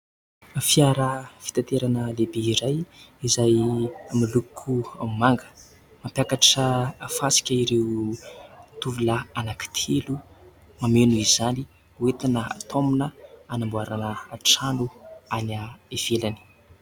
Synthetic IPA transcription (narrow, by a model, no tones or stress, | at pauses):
afiaɾəfi̥t̪ant̪eɾanəlebeiɾajizajamilukʰuamaŋɡə̥ | mampjakaʈ͡ʂəːfasi̥kʲaiɾew | t̪uvulaanaki̥t̪ʰelu | mamenuizani | uet̪anəa̰t̪ʰomunəanambuaɾanəːʈ͡ʂanuanaev̥elani̥